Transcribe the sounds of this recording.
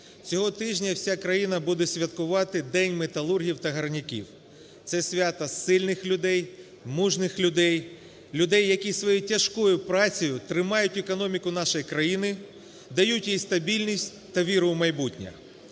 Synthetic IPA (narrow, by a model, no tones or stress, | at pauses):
t͡sʲɔɦɔt̪ɪʒnʲɐwsʲakɾɐjin̪ɐbud̪ɛsʲʋʲɐt̪kʊʋɑt̪ɪd̪ɛnʲmet̪ɐlˠurɦʲiwt̪ɐɦɐrnʲɪkʲḭw | t̪sɛsʲʋʲat̪ɐsɪlʲnɪxlʲʊd̪ɛj | muʒnɪxlʲʊd̪ɛj | lʲʊd̪ɛjːɐkʲisʋɔjutʲɐʃkɔjʊpɾɑt͡sʲijʊt̪ɾɪmɑjʊtʲekɔnɔmʲikʊnɑʃɐjkɾɐjinɪ | d̪ɐjutʲjijst̪ɐbʲilʲnʲisʲtʲ | t̪ɐʋʲiɾʊmɐjbutʲnʲɐ̰